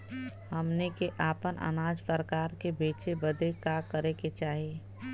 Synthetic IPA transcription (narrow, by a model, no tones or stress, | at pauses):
həmnekeʔaːpənʔə̰naːd͡ʒpəɾkaːɾkebeːt͡ʃebəd̪ekakəɾeket͡ʃaːɦie